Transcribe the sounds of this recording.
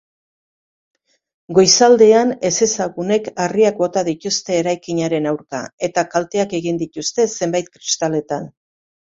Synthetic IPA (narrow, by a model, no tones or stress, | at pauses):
ɡo̞jsald̪e̞ane̞se̞saɣune̞kariakbo̞t̪aðit̪ust̪e̞ːɾajkiɲaɾe̞nawɾka̰e̞t̪akalt̪e̞ake̞ɣind̪it̪ust̪e̞se̞mbajt̪̚kɾist̪ale̞t̪an